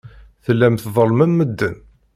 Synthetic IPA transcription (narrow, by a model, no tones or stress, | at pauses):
θəlːæmθðˤəlmæmːəd̪ːən